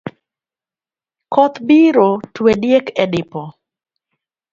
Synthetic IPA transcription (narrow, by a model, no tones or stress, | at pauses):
kɔt̪biɾotwedjekɛdɪpɔ